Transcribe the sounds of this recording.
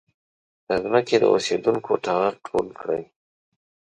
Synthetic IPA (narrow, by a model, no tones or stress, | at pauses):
d̪əzməked̪ə̰o̰sed̪uŋkʰoʈaɣaq̚ʈʰolkɽəj